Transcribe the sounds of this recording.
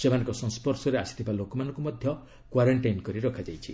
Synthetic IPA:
semanɔ̃ŋkɔsɔ̃ŋspɔɾsɔɾeasi̥t̪ʰibalokɔmanɔ̃ŋkumɔd̪ʱjɔ | kwaɾɔɳʈajnkɔɾiɾɔkʰad͡ʒajt͡ʃʰi

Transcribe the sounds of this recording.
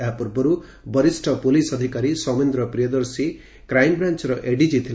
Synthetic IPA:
apɔɾbʌɾu | bʌɾisʈʰʌpolisʌd̪ʱikaɾisʌmend̪ɾʌpɾijʌd̪ʌɾsi | kɾajmbɾant͡ʃɾʌʔeɖid͡ʒit̪ʰil

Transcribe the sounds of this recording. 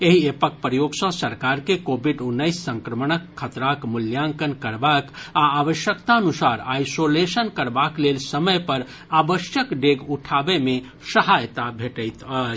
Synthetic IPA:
eɦiepək̚pɾəjoɡsə̃səɾkaɾkekobʱiɖunːəjsːə̃ŋkɾəməñəkʰːət̪ɾakmuljãŋkənkəɾbakaːʋəʃjəkt̪aənusaɾajsolesənkəɾbaklelsəməjpəɾ | abəsjəkɖeɡuʈʰabeme | səɦajt̪abʱeʈəjt̪ə

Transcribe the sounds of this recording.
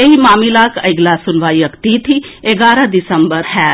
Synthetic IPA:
eɦimaːmilakə̰ɪɡlasʊnʋajəkt̪it̪ʰieɡaːɾəd̪isəmbəɾɦɛ

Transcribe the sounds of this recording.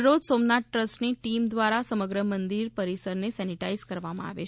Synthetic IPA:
ɾod͡ʒ̪somnaʈ̚ːɾəsʈniʈimd̪ʋaɾasəməɡɾəmənd̪iɾpəɾisəɾnesɛniʈaizkəɾʋamã̰a̰ʋḛ

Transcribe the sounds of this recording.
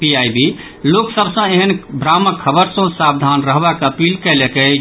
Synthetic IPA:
piajbi | loksəbsə̃eɦənbɾaməkʰəbəɾsõsabd̪ʱanɾəɦbɛkəpilkɛlekɛ

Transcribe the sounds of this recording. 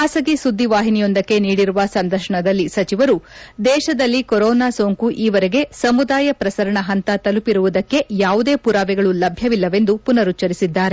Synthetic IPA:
aːsɐɡisud̪ːiʋaːɦinijond̪ɐkːe̞niːɽiɾuʋɐsɐnd̪ɐɾʃɐɳɐd̪ɐlːisɐt͡ʃiʋɐɾud̪ɛːʃɐd̪ɐlːikoɾɔːnaːsoːŋkuʔiːʋɐɾeɡe̞sɐmud̪aːjɐpɾɐsɐɾɐɳɐɦɐnt̪ɐt̪ɐlupiɾuʋud̪ɐkːe̞jaːʋud̪e̞ːpuɾaːʋɛɡɐɭulɐbʱjɐʋilːɐʋe̞nd̪upunɐɾut͡ʃːɐɾisid̪ːaːɾe

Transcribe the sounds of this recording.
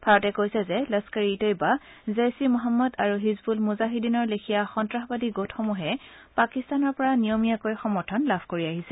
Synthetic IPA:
bʱaɹɔtɛkojsɛzɛləskaɹiːtɔjba | zejsimɔɦamːɔdaɹuɦizbulmuzaɦidinɔɹlekʰijaxɔntɹaxbadiɡotʰxɔmuɦɛ | pakistanɔɹpɔɹanijomijakojxɔmɔɹtʰɔnlabʱkoɹiaɦisɛ

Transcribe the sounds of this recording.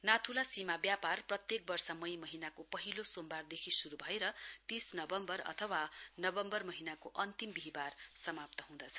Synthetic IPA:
nat̪ʰulasimabjaparprʌt̪jek̚bʌrsʌmʌjmʌɦinakopʌɦilosombard̪ekʰisuɾubʱʌeɾʌt̪isnʌbʌmbʌrʌ̰t̪ʰʌwanʌbʌmbʌrmʌɦinakoʔʌnt̪imbiɦibarsʌmap̚t̪ʌɦũd̪ʌt͡sʰʌ̥

